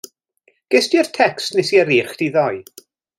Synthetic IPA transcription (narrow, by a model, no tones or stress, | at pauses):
ɡ̥ɛstɪrtʰɛkstnesiɛɾiːχd̥iðɔɨ